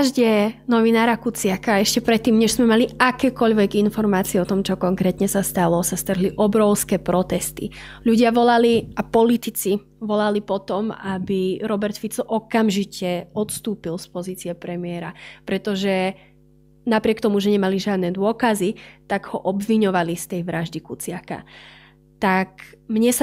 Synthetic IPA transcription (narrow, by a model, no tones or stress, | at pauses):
ʒɟɛnɔʋinaːɾakut͡sɪakaɛʃcɛpɾɛt̪ːiːmɲɛʒz̥mɛmaliakɛːkɔʎʋɛɡinfɔɾmaːt͡siɛɔt̪ɔmt͡ʃɔkɔŋkɾɛːt̪ɲɛsast̪alɔsast̪r̩ɦliʔɔbɾɔʊskɛːpɾɔt̪ɛst̪ḭʎuɟɪaʋɔlaliapɔlit̪it͡si | ʋɔlalipɔt̪ɔmabiɾɔbɛɾt̪fit͡sɔʔɔkamʒicɛɔt̪st̪uːpilspɔziːt͡siɛpɾɛmɪɛɾapɾɛt̪ɔʒɛ | napɾɪɛk̚t̪ɔmuʒɛɲɛmaliʒɪad̪nɛd̪ʊɔkazit̪aɡhɔʔɔbʋiɲɔʋalist̪ɛjʋɾaʒd̪ikut͡sɪaka̰ | t̪akmɲɛsa